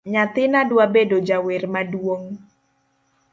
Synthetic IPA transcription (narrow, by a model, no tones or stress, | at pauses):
ɲat̪ɪnadwabedod͡ʒawɪrmaduoŋ